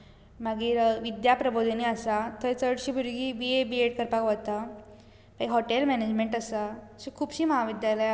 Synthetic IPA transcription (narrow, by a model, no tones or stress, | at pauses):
maɡiːɾʋid̪japɾəbod̪ʱəniːəsat̪ʰəɾt͡səɽɕiːbʱuɾɡiːʋiebieʈkəɾpakʋat̪a | paɦɔʈelmɛned͡ʑmeɳʈəsaɕikʰuːbɕiːməɦaʋid̪jaləj